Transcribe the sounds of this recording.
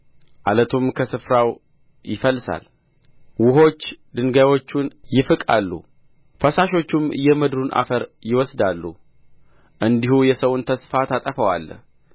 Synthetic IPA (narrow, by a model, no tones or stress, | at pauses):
ʔalət̪ʰumkʰəsɨfɾaw | jɪfəlːsa̰l | wʊɦo̞t͡ʃːd̪ɨnɡajwo̞t͡ʃːunjɪfɨkʼalːṵ | fəsaʃo̞t͡ʃːumjɛmɨd̪ɾunʔa̰fəɾjɪwɔsd̪alːṵ | ʔɨnd̪ihujɛsəwʊnt̪ʰəsfat̪ʰat̪ʼəfəwa̰l